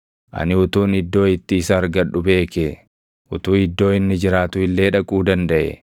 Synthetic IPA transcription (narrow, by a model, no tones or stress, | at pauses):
ʔɐ̰nɪʊt̪uːnɪd̪ːo̞ːɪt̪ːɪːsɐːɾɡɐᶑʊbe̞ːkɛ | ʊt̪uːɪd̪ːo̞ːɪnːɪd͡ʒɪɾaːt̪ʊɪlːe̞ːᶑɐkʼuːd̪ɐnd̪ɐʔɛ̰